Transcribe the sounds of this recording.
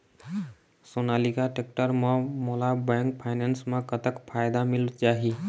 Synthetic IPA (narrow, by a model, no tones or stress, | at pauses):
sonalikaʈek̚ʈəɾməmolabɛŋkpʰajnensmekət̪əkpʰajd̪amilt͡ʃaɦi